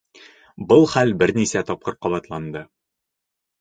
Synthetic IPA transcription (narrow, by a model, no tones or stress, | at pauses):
bɤlˠχælbɘɾnisæt̪ɒp̚qɤɾqɒβɑt̪lˠɑnd̪ɤ